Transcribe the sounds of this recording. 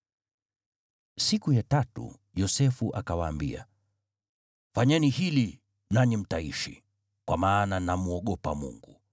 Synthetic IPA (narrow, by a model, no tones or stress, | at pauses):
sikujatatṵ | jɔsɛfuʔakawaːmbḭa̰ | faɲɛnihili | naɲim̩taiʃḭ | kwamaːnanamuɔɠɔpa̰mṵŋɡu